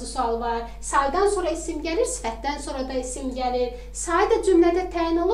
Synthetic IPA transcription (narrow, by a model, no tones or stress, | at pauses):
ɯsuɑlˠvɑɾ | sɑjd̪ɑnso̞ːɾɑisimɟæliɾsi̥fæt̪̚d̪ænso̞ɾɑd̪ɑisimɟæliɾ | sɑːd̪æd͡ʒymlæd̪æt̪ʰæːjino̞lˠ